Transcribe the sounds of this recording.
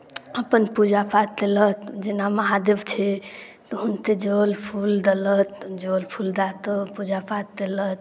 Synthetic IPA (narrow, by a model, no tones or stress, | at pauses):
əpənpud͡ʒapat̪ːelət̪d͡ʒenaməɦad̪ebt͡ʃʰɛ | t̪ɔɦunt̪ed͡ʒəlpʰuld̪ələt̪d͡ʒolpʰuld̪at̪əpud͡ʒapat̪ːelət̪̚